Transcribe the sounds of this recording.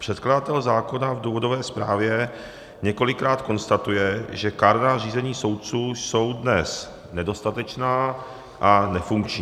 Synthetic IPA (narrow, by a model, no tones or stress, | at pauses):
pr̝̥ɛt̪kladat̪ɛlzaːko̞navduːvo̞do̞vɛːspɾaːvjɛ | ɲɛko̞lɪkɾaːt̪ko̞nst̪at̪ujɛʒɛkaɾnariːzɛɲiːso̞wt̪̚t͡suːso̞wdnɛs | nɛdo̞st̪at̪ɛt͡ʃnaː | ʔanɛfuŋkt͡ʃɲiː